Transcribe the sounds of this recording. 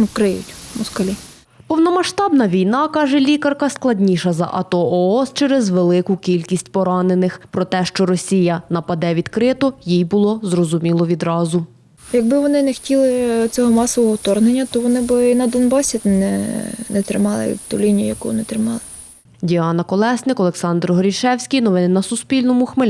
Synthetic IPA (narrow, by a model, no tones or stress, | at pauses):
nkɾɪjʊ̰tʲmʊskɐlʲi | pɔwnɔmɐʃt̪ɑbnɐʋʲijnɑkɑʒɛlʲikɐrkɐsklˠɐdʲnʲiʃɐzɐ̰ʔɐt̪ɔɔɔst͡ʃɛɾɛzʋelˠɪkʊkʲilʲkʲisʲtʲpɔɾɑnenɪxpɾɔt̪ɛʃt͡ʃɔɾɔsʲijɐnɐpɐd̪ɛʋʲid̪kɾɪt̪ɔjijbʊlˠɔzrɔzʊmʲilˠɔʋʲid̪ɾɑzʊ | jɐɡ̚bɪʋɔnɪnextʲilˠɪt͡sʲɔɦɔmɑsɔʋɔɦɔwt̪ɔrnenʲːɐt̪ɔʋɔnɪbɪinɐd̪ɔnbɑsʲinɛ̰nɛt̪ɾɪmɑlˠɪ̰t̪ulʲinʲijʊjɐkuɔnɪt̪ɾɪmɑlˠɪ | dʲiɑnɐkɔlˠɛsnɪkɔlˠeksɑnd̪rɦɔɾʲiʃɛwsʲkʲijnɔʋɪnɪnɐsʊspʲilʲnɔmʊxme